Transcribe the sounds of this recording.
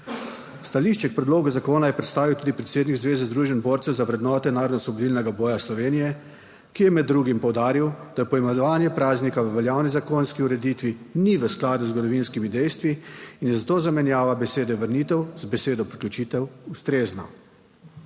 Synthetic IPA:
st̪aliʃt͡ʃɛk̚pɾɛd̪loːɡuzakoːnajɛpɾɛt̪st̪aːʋiwt̪uːd̪ipɾɛt̪seːd̪niɡzʋeːzɛzd̪ɾuːʒɛnboːɾt̪sɛwzaʋɾɛd̪nɔːt̪ɛnaːɾɔd̪nɔsʋɔbɔd̪iːlnɛɡabɔːjaslɔʋeːnijɛ | kijɛmɛd̪ːɾuːɡimpɔwd̪aːɾiwd̪̥ajɛpɔimɛnɔʋaːnjɛpɾaːznikaʋəʋɛljaːwnizakoːnskiuɾɛd̪it̪ʋiniʋəsklaːd̪uzɡɔd̪ɔʋinskimid̪ɛjst̪ʋiːnjɛzat̪oːzamɛnjaːʋabɛseːd̪ɛʋəɾnit̪ɛwzbɛseːd̪ɔpɾiklʲut͡ʃit̪ɛwust̪ɾeːznɔ̰

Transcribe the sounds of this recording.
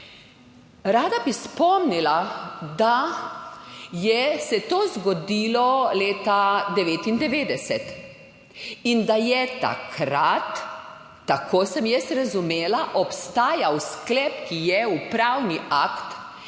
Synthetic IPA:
ɾaːd̪abispɔmnilad̪a | jɛsɛt̪oːzɡɔd̪iːlɔleːt̪ad̪ɛʋeːt̪ind̪ɛʋeːd̪ɛsɛt̪ | ind̪ajɛt̪a̰kʰɾat̪ː | akʰoːsɛmjɛsɾazumeːlaʔɔpst̪aːjawsklɛp̚kijɛupɾawniakt̪

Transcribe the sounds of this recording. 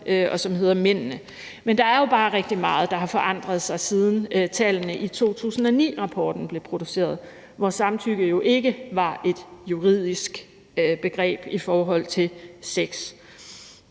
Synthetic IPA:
ʔʔɒ̽sɒ̽mhe̝ð̰ˠɐmen̰nə | mend̥ɑ̈æɐjo̝b̥ɑ̈ːʁeɡ̥̚d̥imɑ̈ːð̞̩ˠd̥ɑ̈ɦɑ̈fɒ̽ʔɑ̈n̰d̥ʁɐð̞̩ˠsɑ̈ɪsið̞ˠn̩t͡sʰɛlənəʔit͡sʰo̝̰ːt͡sʰṵːsn̩ɒ̽nḭːʁɑ̈pʰɒːd̥n̩b̥le̝pʰʁo̝d̥use̝̰ːɐð̞ˠ | ʋɒsɑ̈mt͡sʰyɡ̥ð̩ˠjo̝ʔe̝ɡ̥əʋɑ̈e̝d̥juʁið̞̰ˠisɡ̥ | b̥e̝ɡ̥ʁɛ̰ːb̥ifɒːɦɒ̽l̰t͡sʰe̝lseɡ̥s

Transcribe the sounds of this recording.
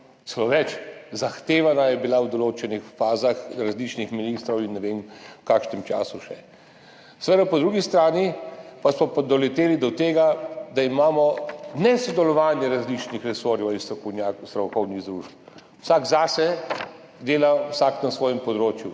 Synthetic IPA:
t̪sɛloʋɛt͡ʃzaxt̪eːʋanajɛbilawd̪ɔloːt͡ʃɛnixfaːzaxɾazlit͡ʃnixminiːst̪ɾɔwinːɛʋemkaːkʃnɛmt͡ʃa̰ːsuʃɛ | sʋɛd̪apɔd̪ɾuːɡist̪ɾaːnipasmɔpad̪ɔlɛt̪eːlid̪ɔt̪eːɡad̪aimaːmɔnɛsɔd̪ɛlɔʋaːnjɛɾazlit͡ʃnixɾɛsoːɾjɔwist̪ɾɔkɔnjaːkst̪ɾɔwkɔwniɣd̪ɾuːʃp | wsaːɡzaːsɛ | d̪eːlawsaknasʋɔːjɛmpɔd̪ɾoːt͡ʃju

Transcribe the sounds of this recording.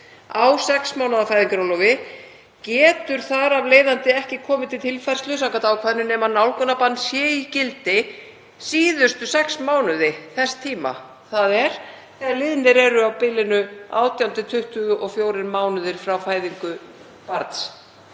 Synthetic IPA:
awsɛksmawnaðafaːjðiŋkɾawlɔvɪ | cɛːt̪ʏɾ̥θaɾavleːjðant̪ɪɛhcɪkʰɔːmɪt̪ʰɪt̪ʰɪlfajɾ̥slʏsawkat̪aːwkʰvaðnʏnɛːmanawlkʏnapanːsjɛːicɪlt̪ɪ | siːðʏst̪ʏsɛksmaːwnʏðɪθɛst̪ʰiːma̰ | θaðɛɾ̥ | θɛaɾlɪðnɪɾɛɾʏawpɪlɪnʏa̰ːwt̪jawnt̪ɪt̪ʰʏht̪ʏɣʏʔɔɣfjoːwɾɪnmaːwnʏðɪɾ̥fɾawfaːjðiŋkʏ | paɾt̪s

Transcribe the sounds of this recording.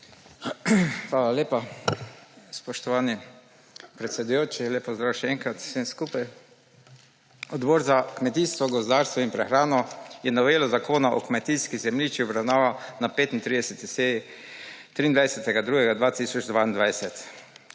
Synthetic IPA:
xʋaːlaleːpa | spɔʃt̪ɔʋani | pɾɛt̪sʲɛd̪ujoːt͡ʃileːpːɔzd̪ɾaːwʃɛɛŋkɾat̪senskupaj | ɔd̪boɾzakmɛt̪ist̪ʋɔɡɔzd̪aɾst̪ʋɔinpɾɛxɾaːnɔjɛnɔʋeːlɔzakoːnaʔɔkmɛt̪iːskizɛmliːt͡ʃiɔbɾawnaːʋanapeːt̪int̪ɾiːd̪ɛsɛt̪isei | t̪ɾiːnd̪ʋajsɛt̪ɛɡad̪ɾuɡɛɡad̪ʋat̪iːsɔd͡ʒd̪ʋaind̪ʋajsɛt̪

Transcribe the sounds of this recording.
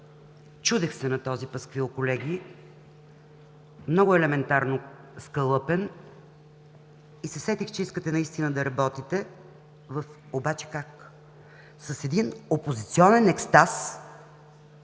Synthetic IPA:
t͡ʃud̪ɛxsɛnɐt̪ɔzipɐskviokolɛɡi | mnɔɡʊɛlɛmɛnt̪aɾno | skəlˠɤpɛn | isɛsɛt̪ixt͡ʃɛiskət̪ɛnɐist̪inəd̪ɐɾɐbɔt̪it̪ɛ | vəf | obat͡ʃɛ̥kak | sɐsɛd̪inopozit̪siɔnɛnɛkst̪as

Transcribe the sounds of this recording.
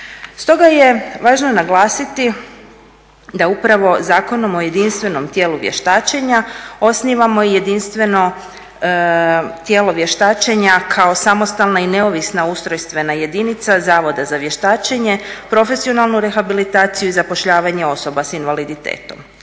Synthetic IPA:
st̪o̞ɡaje̞ʋaːʒnonaɡlˠaːsit̪i | d̪aupɾaʋo̞zaːko̞no̞mo̞je̞d̪inst̪ʋe̞no̞mt̪jeːluʋjḛʃt̪aːt͡ʃeɲao̞sniʋamo̞ije̞d̪inst̪ʋe̞no̞ | t̪je̞ːlo̞ʋje̞ʃt̪aːt͡ʃeɲakʰao̞samo̞st̪alˠnaine̞o̞ʋisnaust̪ɾo̞jst̪ʋe̞naje̞d̪init̪sazaːʋo̞d̪azaʋje̞ʃt̪aːt͡ʃeɲe̞pɾo̞fe̞sio̞nalˠnuɾe̞xabilit̪aːt̪sijuizapo̞ʃʎaːʋaɲe̞o̞so̞basinʋalid̪it̪ḛːt̪o̞m

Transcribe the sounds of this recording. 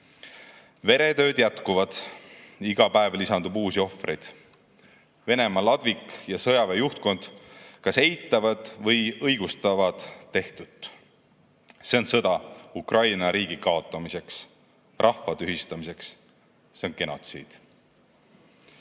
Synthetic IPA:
ve̞ɾe̞t̪ø̞ːd̪̥jæt̪kuvɑd̪̥ | iɡ̥ɑpæevlisɑnd̪ubuːsio̞frejd̪̥ | ve̞ne̞mɑlɑd̪̥vikjɑsɤ̞jɑvejuht̪̚ko̞nd̪̥kɑse̞jt̪ːˑɑvɑd̪̥vɤ̞jɤjɡ̥ust̪ɑvɑd̪̥ːe̞ht̪ut̪ː | se̞o̞nsɤd̪ɑukrʔɑjnɑɾiːɡ̥ikɑo̞t̪ːˑɑmise̞ks | rʔɑhfɑt̪yɦist̪ɑmise̞ks | senke̞no̞̰t̪sḭːd̪̥

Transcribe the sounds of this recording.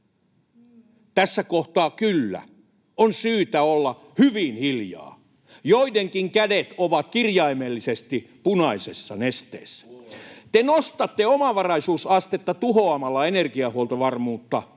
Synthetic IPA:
t̪æsːækoht̪ɑːkylːæ̰ | onsyːt̪æolːɑ | hyʋinhiljɑ̰ː | joideŋkiŋkædet̪oʋɑkkirjɑimelːisest̪ipunɑisesːɑ̰nest̪ḛːsːæ̥t̪enost̪ɑt̪ːeomɑʋɑrɑisuːsɑst̪et̪ːɑt̪uhoɑmɑlːɑenerɡiɑhuolt̪oʋɑrmuːt̪ːɑ

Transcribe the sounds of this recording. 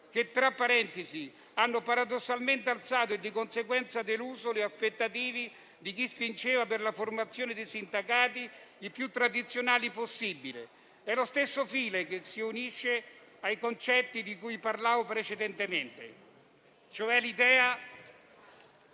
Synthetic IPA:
k̟et̪ːɾapːaɾɛnt̪ezi | anːopaɾad̪osːalment̪ealt̪saːt̪od̪ːikonseɡwɛnt̪sad̪eluːzoleaspet̪ːat̪iːvi | d̪ik̟ispint͡ʃeːvaperlaformat̪sːjoːned̪esind̪akaːt̪̬iipːjut̪ːɾad̪it̪sːjonaːliposːibile | ɛlost̪esːofiːlekesːiuniʃːe | ajkont͡ʃɛt̪ːid̪ikuːjparlaːvopɾet͡ʃed̪ɛnt̪ement̪ḛ | t͡ʃoɛlid̪ɛːa

